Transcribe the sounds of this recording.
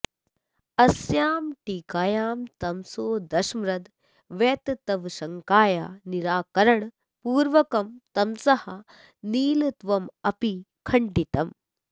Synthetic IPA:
ɐsjaːmʈiːkaːjaːmt̪ɐmsoːd̪ɐʃmɾɐd̪ | ʋeːt̪t̪ɐʋʃɐŋkaːjaːniɾaːkɐɾɐɳ | puːɾʋɐkɐmt̪ɐmsɐhɐ | niːlɐt̪ʋɐmɐpi | kʰɐɳɖit̪ɐm

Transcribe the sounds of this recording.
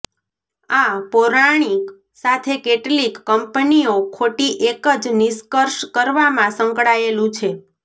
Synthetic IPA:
apoɾaɽ̃ik | sat̪ʰekeʈlikːəmpəniokʰoʈiʔekəd͡ʒniskəɾʃkəɾʋamãsə̃ŋkɽaelũt͡ʃʰe

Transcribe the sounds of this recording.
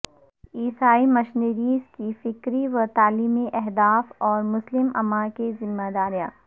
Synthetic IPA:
iːsaːimɐʃneɾiːskifɪkɾiʋɐt̪aːliːmeʔɛɦd̪aːfɔːɾmʊslɪmɐ̰mãkezɪmːaːd̪aːɾijã̰ː

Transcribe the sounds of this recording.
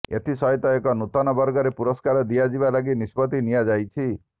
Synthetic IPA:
ḛt̪ʰisɔɦit̪ɔekɔnut̪ɔnɔbɔɾɡɔɾepuɾɔskaɾɔd̪ijad͡ʒibalaɡinispɔt̪inijad͡ʒajt͡ʃʰi

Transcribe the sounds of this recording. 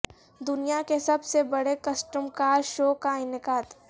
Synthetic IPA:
d̪ʊnijakesɐbsebɐɽekɐsʈəmkaːɾʃoːkaɪnɪkaːt̪

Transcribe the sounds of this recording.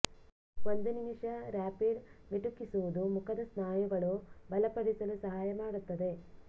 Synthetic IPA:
ond̪unimʂɐɾaːpiɖmiʈukːisuʋud̪umukʰɐd̪ɐsnaːjuɡɐɭubɐlɐpɐɽisɐlusɐɦaːjɐmaːɽut̪ːɐd̪e̞

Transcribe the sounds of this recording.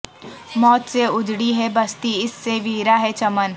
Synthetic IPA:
mɔːt̪seʊd͡ʒɽiɦɛbɐst̪iɪsːeʋiːɾaɦɛt͡ʃɐmən

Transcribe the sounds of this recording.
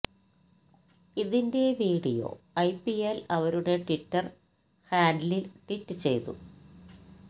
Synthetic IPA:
iðinde̞ʋiːɽijo̞̰ɐjpːielɐʋɐɾuɽe̞ʈitːɐr | haːndlilʈitːɨt͡ɕe̞̰jt̪ṵ

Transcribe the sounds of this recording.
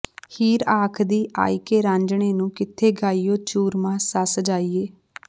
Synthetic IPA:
hiːɾaːkʰd̪iːʔa̰ːiːkeːɾãːɲd͡ʒɳeːnũːkɪt̪ʰːeːɡaːiːjoːt͡ʃuːɾmãːsəsd͡ʒaːiːeː

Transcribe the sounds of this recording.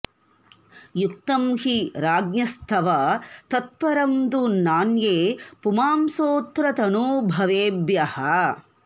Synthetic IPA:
juk̚t̪ɐmhiɾaːɡnjɐst̪ʰɐʋɐt̪ɐt̪̚pɐɾɐmd̪unaːnjeːpumaːmsoːt̪ɾɐt̪ɐnubʱɐʋeːbjɐhɐ

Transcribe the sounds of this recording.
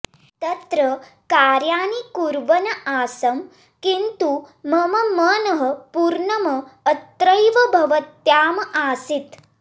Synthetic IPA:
t̪ɐt̪ɾɐ | kaːɾjaːnikuɾʋɐnɐʔaːsɐm | kint̪umɐmɐmɐnɐɦɐ̆puɾɳɐmɐːt̪ɾɐjʋɐbʱɐʋɐt̪jaːmɐʔaːsit̪

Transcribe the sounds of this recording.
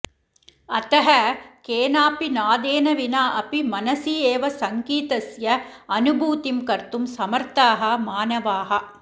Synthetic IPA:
ɐt̪ɐɦɐkeːnaːpinaːd̪eːnɐʋinaːʔɐpimɐnɐsiːeːʋɐsɐŋkiːt̪ɐsjɐɐnubʱuːt̪imkɐɾt̪umsɐmɐɾt̪aːɦɐmaːnɐʋaːɦɐ

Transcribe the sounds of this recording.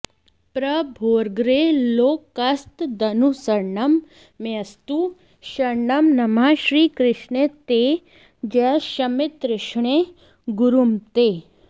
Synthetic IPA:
pɾɐbʱoːɾɡɾeloːkːɐst̪d̪ɐnusɐɾɳɐmː | jɐst̪u | ʃɐɾɳɐmnɐmaːʃɾiːkɾɪʃɳet̪eː | d͡ʒɛʃɐmɪt̪ɾɪʃɳe | ɡuɾumt̪e

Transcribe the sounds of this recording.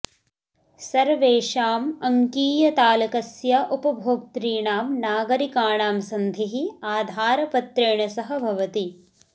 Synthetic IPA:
sɐɾʋeːʃaːmɐŋkiːjɐt̪aːlɐkɐsjɐʔupɐbʱoːk̚t̪ɾiːɳaːmnaːɡɐɾikaːɳaːmsɐnd̪ʱiɦiaːd̪ʱaːɾɐpɐt̪ɾeːɳɐsɐɦɐbʱɐʋɐt̪i

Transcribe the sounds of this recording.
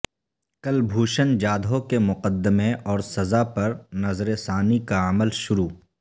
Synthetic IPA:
kɐlbʱuːʃənd͡ʒaːd̪ʱõkemʊqəd̪ːəmeɔːɾsɐzapɐɾnɐzɾesaːnikaɐməlʃʊɾuː

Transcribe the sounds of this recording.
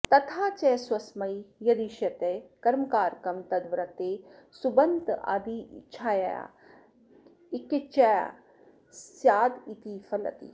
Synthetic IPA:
t̪ɐt̪ʰaːt͡ʃɛswɐsmɐijɐd̪iʃjɐt̪ekɐɾmkaːɾkɐmt̪ɐd̪ʋɾɐt̪eːsubɐnd̪a̰ːd̪ḭːt͡ʃʰaːja̰a̰ | ikit͡ʃɛ | sjaːd̪it̪iːfʰɐlɐ̰t̪ḭ

